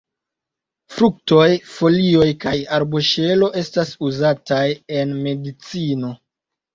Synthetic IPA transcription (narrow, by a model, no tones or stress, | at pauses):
fɾuk̚to̞jfo̞lio̞jkajaɾbo̞ʃe̞lo̞ʔe̞stasuzataje̞nme̞dit͡sino̞